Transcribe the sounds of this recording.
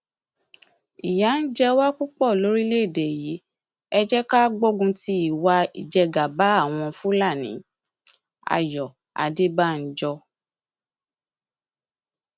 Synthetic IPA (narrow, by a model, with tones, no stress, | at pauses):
i˨ja˨˦n̩˦d͡ʒɛ˦wa˦ku˦k͡pɔ˦˨lo˨˦ɾi˦le˦˨de˨ji˨˦ | ɛ˧d͡ʒɛ˦ka˦ɡ͡bo˦ɡũ˧ti˦i˦˨wa˧ḭ˨d͡ʒɛ˧ɡa˨ba˨˦a˦˨w̃ɔ̃˧fũ˦la˦˨nḭ̃˨˦ | a̰˨jɔ˨ | a̰˨de˦ba˦˨n̩˦d͡ʒɔ˧